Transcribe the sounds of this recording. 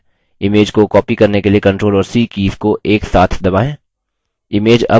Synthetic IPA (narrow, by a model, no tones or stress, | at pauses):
ɪmeːd͡ʒkokɔːpikɐɾnekeliekɐ̃ɳʈɾoːlɔːɾsiːkiːfkoʔeːksaːt̪ʰd̪ɐbaːẽː | ɪmeːd͡ʒɐ̰